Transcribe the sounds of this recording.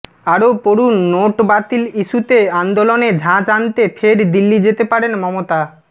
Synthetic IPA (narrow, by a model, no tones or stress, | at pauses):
aɾopoɾunːoʈbat̪iliʃut̪eand̪oloned͡ʑʱãd͡ʑant̪efʰeɾd̪ilːid͡ʑet̪epaɾenmɔmot̪a